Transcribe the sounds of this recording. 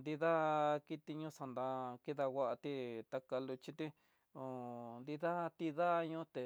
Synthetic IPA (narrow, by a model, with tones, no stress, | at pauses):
nd̪i˧ða˦ki˦t̪i˧ɲũ˦sa˧nd̪a˧ki˦ða˧wʷa˦ʔa˧t̪i˦t̪a˧ka˧lu˧t͡ʃi˦t̪i˦ | o˨nd̪i˧ða˦t̪i˧ða˦˧ɲũ˦t̪e˨